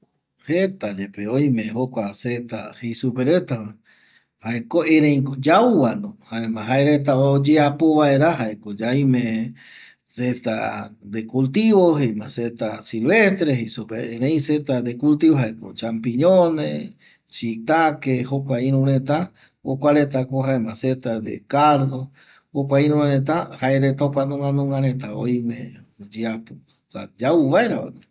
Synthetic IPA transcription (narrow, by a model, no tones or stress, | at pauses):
het̪ad͡ʒepeoj̃mẽɦokʷaset̪a̰hejsupeɾet̪aa | haekoẽɾẽj̃kd͡ʒawuwand̪ohaemãɦaeɾet̪̬aod͡ʒeapoβaeɾaɦaekod͡ʒaj̃mẽ | set̪a̰d̪ekult̪iβoɦejmãset̪asilβest̪ɾeɦesopeeɾẽĩset̪ad̪ekult̪iβoɦaeko̰t͡ʃampiɲõnḛ | t͡ʃit̪akehokʷaĩɾũɾẽt̪a | okʷaɾet̪̬akoɦaemãset̪ad̪ḛkaɾd̪o | hokʷaĩɾ̃ũɾẽt̪̬ahaeɾet̪okanõŋɡãnõŋɡãɾet̪ao̰jmẽd͡ʒiapo | sa̰d͡ʒauβaeɾa̰o̰ne